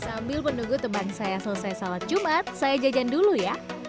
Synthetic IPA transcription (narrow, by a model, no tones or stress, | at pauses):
sambɪlpənuɡut̪əmbansajasələsajsalat̪̚t͡ʃumat̪̚sajad͡ʒad͡ʒanduluja